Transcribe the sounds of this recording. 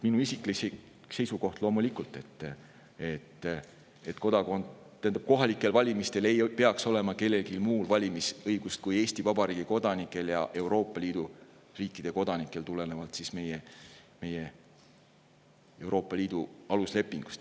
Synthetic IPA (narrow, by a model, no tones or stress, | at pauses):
minuisiklise | se̞jsuɡo̞ht̪lo̞ːmulikˑult̪e̞t̪ː | e̞t̪ː | et̪ko̞d̪̥ɑko̞nd̪ | t̪ːænd̪ɑb̥̚ko̞ɦɑlikːˑe̞lvɑlʲimist̪e̞le̞jpe̞ɑkso̞le̞mɑke̞lːe̞ɡilmuːlvɑlʲimisɤjɡ̥ust̪̚kuje̞ːsʲt̪ivɑbɑɾiːɡ̥iko̞d̪̥ɑnikːˑe̞ljɑ̰ʔe̞wɾo̞ːpːˑɑliːd̪̥u | riːkˑːid̪̥e̞ko̞d̪̥ɑnikːˑe̞lt̪ule̞ne̞vɑlt̪sisme̞jeme̞je | e̞wɾo̞ːpːˑɑlʲiːd̪̥uɑlusle̞pːˑiŋɡ̥u̥st̪